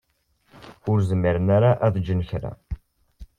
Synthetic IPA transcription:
ʊɾzəmːiɾənaɾaʔæðd͡ʒːənəçɾa̰

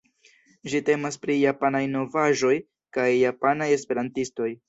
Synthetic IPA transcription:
ʒite̞maspɾijapanajno̞vaʒo̞j | kajːapanaje̞spe̞ɾantisto̞j

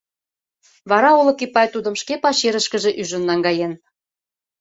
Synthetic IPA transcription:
βɑɾɑolɤ̆kipɑjt̪ud̪ə̆mʃkepɑɕeɾəʃkə̆ʒe̽ʔyʒə̆nːɑŋɡɑjen

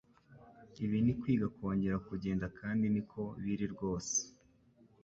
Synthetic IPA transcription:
iβinikwiːɡakoːɲɟeɾakuɟe̞ːndakʰaːndinikʰo̞βiɾiɾɡo̞ːse̥

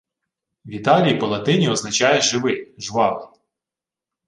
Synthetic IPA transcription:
ʋʲit̪ɑlʲiipɔlˠɐt̪ɪnʲiɔznɐt͡ʃɑjɛʒɪʋɪjʒʋɑʋɪ

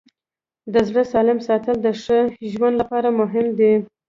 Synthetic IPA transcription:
d̪əzɽəsɑlɪmsɑt̪əld̪əʂəʒwand̪lapɑɾamʊɦɪmd̪i

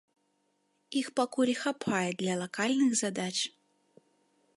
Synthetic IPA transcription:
ixpakuɾʲixapʰajɛd̪lʲɐlˠakalʲnɨɣzad̪at͡ʃ

